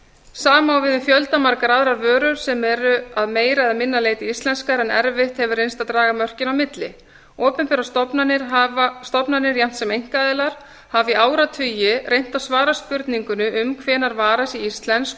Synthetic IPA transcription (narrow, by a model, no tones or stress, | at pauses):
saːmawvɪðʏmfjœlt̪amaɾkaɾaðɾaɾvœːɾʏɾ̥sɛmɛɾʏaðmeːjɾaɛðamɪnːaleːjt̪ɪist̪lɛnskaɾɛnɛ̰ɾvɪht̪hɛvʏɾrejnst̪aðt̪ɾaːɣamœr̥cɪnawmɪt̪lɪ̰ | ɔːpʏmpɛɾast̪ɔpnanɪɾst̪ɔpnanɪɾjam̥t̪sɛmejŋ̥kaðɛːlaɾ̥ | haviaːwɾat̪ʰʏjɪrʔejn̥t̪awsvaːɾaspʏɾt̪niŋkʏnʏʔʏmkʰvɛːnaɾvaːɾasiist̪lɛnsk